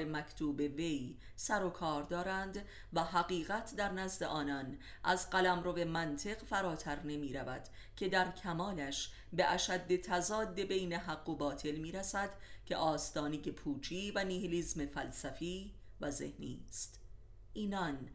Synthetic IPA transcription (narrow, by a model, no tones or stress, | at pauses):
emækʰt̪ʰuːbe̞ve̞j | sæɾo̞kʰɒːɾd̪ɒːɾænd̪ | væɦæɣiːɣæt̪ʰd̪æɾnæzd̪e̞ʔɒːnɒn | ʔæzɢælæmɾove̞mænt̪ʰe̞ɣfæɾɒːt̪ʰæɾne̞miːɾævæd̪̥ | cʰe̞d̪æɾcʲʰæmɒːlæʃ | beʔæʃæd̪ːe̞t̪ʰæzɒːd̪ːe̞be̞jne̞ɦæɡːobɒːt̪ʰe̞lmiːɾæsæd̪̥cʰe̞̰ʔɒːst̪ɒːneje̞pʰuːt͡ʃʰiːvæniːheliːzme̞fælsæfiː | væzehnḭːst̪ | ʔiːnɒn